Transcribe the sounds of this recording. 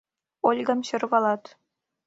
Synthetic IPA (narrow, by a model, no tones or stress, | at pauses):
olʲɡɑ̆mɕɤ̆rβɑlˠɑt̪